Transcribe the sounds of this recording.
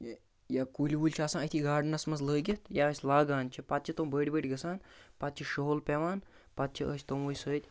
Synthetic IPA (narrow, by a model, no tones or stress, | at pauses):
j | jakulʲiʋulʲt͡ʃʰiasãːət̪ʰiɡaːɖnɐsmɐzləːɡʲet̪ʰjaəsʲlaːɡaːnt͡ʃʰipat̪̚t͡ʃʰit̪ombəɽʲibəɽʲɡɐsaːnpat̪̚t͡ʃʰiʃoɦolpeʋaːn | pat̪̚t͡ʃʰiʔə̰sʲt̪omʋəsəːt̪ʲ